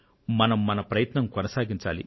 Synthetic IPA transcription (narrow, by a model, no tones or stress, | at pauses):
mɐnɐmːɐnɐpɾɐjɐt̪nɐmkɔnɐsaːɡiɲt͡ʃaːlḭ